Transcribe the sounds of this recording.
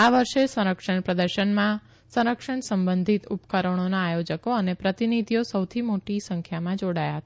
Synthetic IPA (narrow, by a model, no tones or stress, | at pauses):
aʋəɾʃesə̃ɾəkʃəɳpɾəd̪əɾʃəɳmã | sə̃ɾəkʃəɳsəmbənd̪ʱit̪upkəɾəɳ̃onaːjod͡ʒəkoənepɾət̪inid̪ʱijosəwt̪ʰimoʈisə̃ŋkʰjamãd͡ʒoɽajaɦət̪a